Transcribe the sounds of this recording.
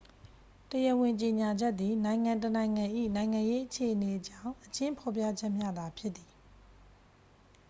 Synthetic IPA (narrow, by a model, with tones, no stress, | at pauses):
təjə˨wɪ̃˨ɲt͡ɕe˨ɲa˨d͡ʑɛ˦ʔ̪t̪ːi˨nã˨ɪ̃ŋã˨ntənã˨ɪ̃ŋã˨ʔḭ˦˨nã˨ɪ̃ŋã˨je˦ʔət͡ɕʰe˨ʔəne˨ʔt͡ɕã˦˨ʊ̃ʔət͡ɕɪ̃˦mpʰɔ˨p̬ja̰˦˨d͡ʑɛ˦ʔmja˦d̪a˨pʰjɪ˦ʔ̪ːi˨